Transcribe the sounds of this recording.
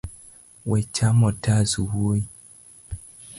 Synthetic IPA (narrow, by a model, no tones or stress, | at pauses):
wɛt͡ʃamɔtazuwui